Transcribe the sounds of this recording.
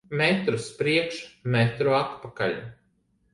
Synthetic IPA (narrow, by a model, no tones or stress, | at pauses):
mɛt̪ɾuspɾiɛkʃmɛt̪ɾuat̪paka̰lʲ